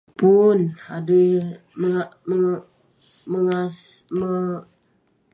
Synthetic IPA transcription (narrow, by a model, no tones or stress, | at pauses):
punhadu | məmə | məŋasmə